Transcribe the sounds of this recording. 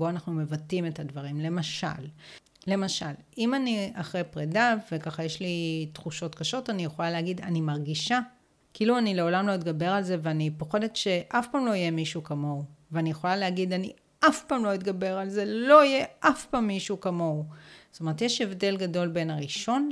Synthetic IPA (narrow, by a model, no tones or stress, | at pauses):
bo̞anaχnume̞vatime̞tadvɐʁimle̞maʃa̰lː | e̞maʃal | imaniaχʁejpʁedavekaχajeʃlitχuʃo̞tkaʃo̞tanijeχo̞laleaɡidanimaʁɡiʃa | kiiluanile̞o̞lamlo̞itɡabe̞ʁ̞alze̞veanipo̞χe̞detʃe̞ʔafpaːmlo̞ijemiʃukamo̞uveanijeχo̞laleaɡidanḭ | afpaːmlo̞it̪ɡabe̞ʁalze̞lo̞ije̞ʔafpaːmːiʃukamo̞ust̪omeet̪jeʃevde̞lɡado̞lbe̞naʁiʃo̞n